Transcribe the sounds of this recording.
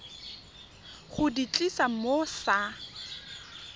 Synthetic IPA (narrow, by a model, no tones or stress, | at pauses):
χʊdit͡ɬʼisamosa